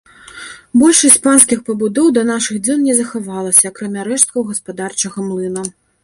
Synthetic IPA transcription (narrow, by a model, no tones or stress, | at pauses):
bɔlʲʂɨt̪ʲpanskʲixpɐbud̪ɔwd̪ɐnaʂɨɣd͡zʲɔnnʲɛzɐxavalˠɐsʲɐːkɾamʲaɾɛʂt̪̚kɐwɣɐspad̪art͡ʂɐɣɐmlˠɨnɐ